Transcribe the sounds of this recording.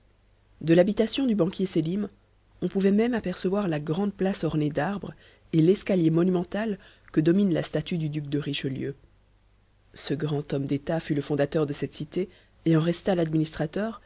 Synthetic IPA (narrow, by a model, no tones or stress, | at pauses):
d̪əlabit̪asjɔ̃d̪ybɑ̃kʲjeselim | ɔ̃puvɛmɛmapɛʁsəvwaʁlaɡʁɑ̃d̪̚plasɔʁned̪aʁbʁ | elɛskaljemɔnymɑ̃t̪al | kəd̪ɔminla̰st̪at̪yd̪yd̪yk̚d̪əʁiʃljø̰ | səɡʁɑ̃t̪ɔmd̪et̪afyləfɔ̃d̪at̪œʁd̪əsɛt̪sit̪eː | ɑ̃ʁɛst̪alad̪minist̪χat̪œːʁ